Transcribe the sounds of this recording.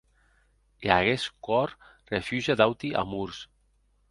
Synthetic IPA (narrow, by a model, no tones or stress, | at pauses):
eaɣeskɔɾ | refjuʒad̪awt̪iʔa̰muɾs